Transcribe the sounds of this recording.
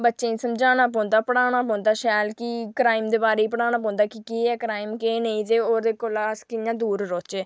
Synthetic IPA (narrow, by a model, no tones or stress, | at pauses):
bətːʃẽːsəmd͡ʒaːñaːp̬ɔ̃ːnd̪aːpəɽaːɽ̃aːp̬ɔ̃ːnd̪aːʃɛːlkikɾaːɪmd̪eːbaːɾeːiːpəɽaːñaːp̬ɔ̃ːnd̪aːkikiːɛːkɾaːɪmkeːneĩːt̪eːoːɾd̪eːkoːlaːskɪjãːd̪uːɾɾɔːt͡ʃeː